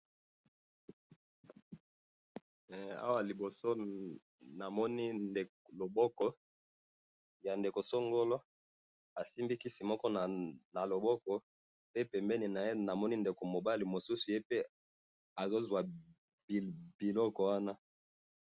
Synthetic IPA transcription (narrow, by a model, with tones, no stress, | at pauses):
a̰˦wa˨li˨bo˨so˦ | na˨mɔ˦ni˦nde˨ | lo˨bɔ˦kɔ˦ | ja˨nde˨ko˨so˦ŋɡo˦lo˦ | a˨si˦mbi˦ki˦si˨mɔ˦kɔ˦n˨na˨lo˨bɔ˦kɔ˨ | pe˦pɛ˨mbɛ˦ni˨na˨je˦na˨mɔ˦ni˦nde˨ko˨mo˨ba˦li˨mo˨su˦su˨je˦pe˦ | a˨zo˦zwa˨ | b̥i˨lɔ˦kɔ˨wa˦na˦